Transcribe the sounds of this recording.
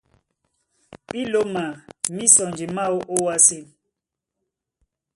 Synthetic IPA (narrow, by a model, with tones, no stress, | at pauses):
ɓi˦lo˦ma˨mi˦sɔ˨nd͡ʒi˨ma˦o˦ʔo˦wa˦si˦˨